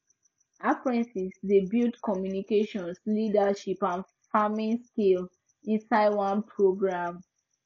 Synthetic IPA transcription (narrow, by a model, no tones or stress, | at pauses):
afɹɛ̃nsisdebildkɔmjunikeʃɔ̃nslidaʃipãn | famĩnskil | ĩnsaɪdwãnpʰɹoɡɹãm